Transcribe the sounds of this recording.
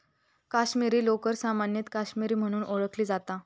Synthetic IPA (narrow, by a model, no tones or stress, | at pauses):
kaɕmiɾiːlokəɾsamanjət̪kaɕmiɾiːm̤əɽ̃uːnʔoɭəkʰliːd͡zat̪a